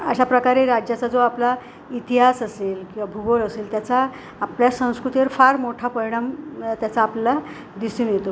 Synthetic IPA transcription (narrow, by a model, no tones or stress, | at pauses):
ə̰ɕapɾəkaɾeɾad͡ʑjat͡sad͡zoapla | it̪iɦasəselkĩw̃ʋabʱuɡoɾəselt̪jat͡saː | pljasə̃w̃skɾut̪eɾfaɾmoʈʰapəɾiɽ̃amt̪jat͡saːplla | d̪isuːnjet̪o